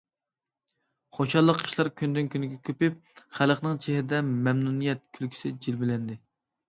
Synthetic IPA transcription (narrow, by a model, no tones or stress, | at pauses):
χoʃɑlˠːəqʰːə̥ʃlˠɑɾkʲʰynd̪ynkʲʰynɪɡʲɛkʲʰøpɪp̚χæləχnɨŋt͡ʃʰehɾɪd̪ɛmɛmnunijɛt̪̚kʲʰylkʲʰy̥sɪd͡ʒilbɪlɛnd̪ɪ